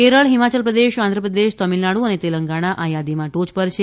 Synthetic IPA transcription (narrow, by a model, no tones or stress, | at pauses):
keɾəɭɦimat͡ʃəlpɾəd̪eʃãnd̪ʱɾəpɾəd̪eʃt̪əmilnaɽũənet̪eləŋɡaɽ̃aʔʔajad̪imãʈot͡ʃpəɾʃʰe